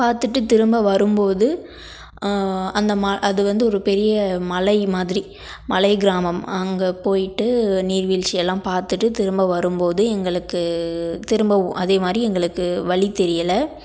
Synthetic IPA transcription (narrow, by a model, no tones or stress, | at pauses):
paːɾt̪ɯʈːɯt̪ɪɾɯmbɐʋɐɾɯmpoːðɯ | ɐnd̪ɐmaʔɐðɯʋɐnd̪ɯɔɾɯpɛɾɪjɐmɐlɐɪmaːðɪɾi | mɐlɐɪɡɪɾaːmɐmɐŋɡɐpoːjɪʈːɯniːɾʋiːlt͡ʃɪjɛlːãːpaːɾt̪ɯʈːɯt̪ɪɾɯmbɐʋɐɾɯmpoːðɯɛŋɡɐɭɯkːɯt̪ɪɾɯmbɐʋʊ̃ʔɐðeːmaːd̪ɾiɛŋɡɐɭɯkːɯʋɐɭit̪ːɛɾɪjɐlɐ